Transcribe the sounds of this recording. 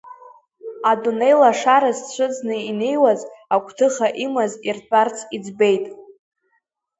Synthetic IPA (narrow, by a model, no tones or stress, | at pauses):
adune̞jlaʂaɾazt͡ɕʷʰɨd͡znɨine̞jwazakʷʼʰtʰɨχaʔimazirbʼart͡sʰʼid͡zbe̞jtʼ